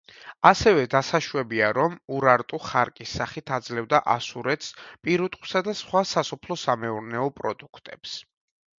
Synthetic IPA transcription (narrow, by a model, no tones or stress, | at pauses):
asɛvɛd̪asaʃwɛbiaɾɔmuɾaɾt̪ʼuχaɾkʼisːaχit̪ʰad̪zlɛvd̪aʔasuɾɛt̪ʰspʼiɾut̪ʼqʼu̥sad̪asχwasasɔpʰlˠɔsamɛuɾnɛɔpʼɾɔd̪ukʰt̪ʼɛps